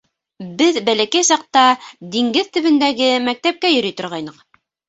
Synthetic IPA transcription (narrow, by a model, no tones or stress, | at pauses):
bɘðbælækæjsɑq̚t̪ɑd̪iŋɡɘðt̪ɵ̆βɘ̆nd̪æɡɘmæk̚t̪æp̚kæjɵ̆ɾyjt̪ŏɾʁɑjnɤq